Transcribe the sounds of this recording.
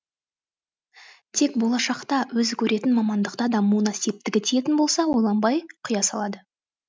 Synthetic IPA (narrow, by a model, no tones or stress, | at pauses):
t̪ʰe̞kbo̞lˠɑʃɑqt̪ɑwɵzɪkʲʰɵɾʔe̞t̪ɪnmɑmɑnd̪əqt̪ɑd̪ɑmunɑsijp̚t̪ɪkʲɪt̪ʰije̞t̪ɪnbo̞lˠsɑwo̞lˠɑnbɑjqʰʊjɑsɑlˠɑd̪ə